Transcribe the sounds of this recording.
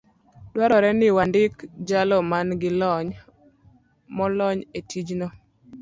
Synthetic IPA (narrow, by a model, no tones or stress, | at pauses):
dwaɾɔɾɛnɪwandɪkd͡ʒalɔmanɡɪlɔɲ | mɔlɔɲetid͡ʒnɔ